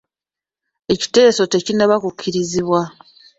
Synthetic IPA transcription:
e̞ci̥te̞ːso̞te̞cinaβakucʰːiɾiziβwa

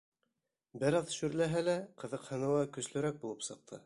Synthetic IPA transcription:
bɘɾɑðʃʉɾlæɦælæqɤ̆ðɤqhɤ̆nɤ̆wɑkɵ̆slɵ̆ɾæk̚bulˠɤpsɤ̆q̚t̪ʰɤ̰

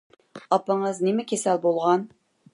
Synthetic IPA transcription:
ɑpəɴəznemɛkʲʰesɛlbolˠʁɑn

